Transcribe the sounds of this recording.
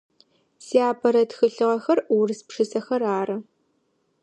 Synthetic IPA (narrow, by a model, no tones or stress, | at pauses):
siaːbʰɐɾɐtxɨɬɨʁɐxɐrwrɨspʂɨsɐxɐraːrɐ